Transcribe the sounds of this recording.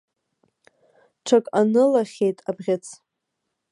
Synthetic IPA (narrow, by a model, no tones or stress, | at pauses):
ʈ͡ʂʰakʼanɨlaχʲejtʼabʁʲɪt͡sʰ